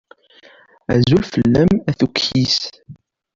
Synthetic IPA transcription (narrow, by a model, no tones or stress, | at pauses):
æ̰zulfəlːæmæθukːis